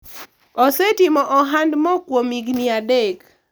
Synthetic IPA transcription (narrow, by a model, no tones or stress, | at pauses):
ɔsɛtimɔʔɔɦandmɔkwomiɡniadɛk